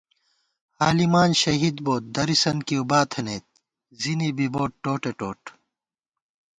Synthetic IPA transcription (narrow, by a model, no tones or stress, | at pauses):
haːlimaːnɕɐɦid̪boːt̪̚d̪ɐɾisɐnkiubaːt̪ʰeneːt̪̚ | zinibiboːʈʈːoːʈeʈoːʈ